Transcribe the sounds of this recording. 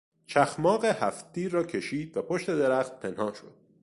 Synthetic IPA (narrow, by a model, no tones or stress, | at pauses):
t͡ʃʰæxmɒːɣehæft̪̚d̪iːrɒːcʰe̞ʃiːd̪̥væpʰoʃt̪e̞d̪e̞ɾæxt̪̚pʰe̞nhɒːnʃo̞d̪̥̚